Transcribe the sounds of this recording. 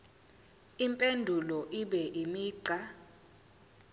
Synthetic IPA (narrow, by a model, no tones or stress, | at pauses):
impʼendʱulɔʔiɓɛʔimiːǃa